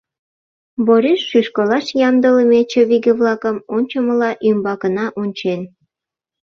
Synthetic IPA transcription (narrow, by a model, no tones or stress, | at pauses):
boɾiʃːyʃkolɑʃjɑmd̪ələmet͡ɕeβiɡeβlɑkəmonʲt͡ɕəməlɑʔymbɑkənɑʔunʲt͡ɕen